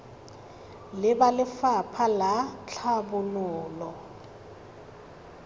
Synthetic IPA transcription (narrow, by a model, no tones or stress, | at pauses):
lɪbalɪfapʰalat͡ɬʰabʊnʊːlɔ